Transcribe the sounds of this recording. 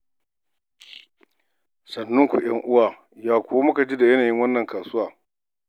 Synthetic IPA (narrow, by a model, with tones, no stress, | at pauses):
sɐ˨nːʊ˦ŋkʷṵ˨j̰ɐ˦ŋʔʊ˦waː˨ | jaː˦kʷʊ˦wa˦mʊ˦ka˨d͡ʒi˦da˨jɐ˦naː˨jɪ˦ŋwɐ˦nːɐ˨ŋkaː˨sʊ˦waː˨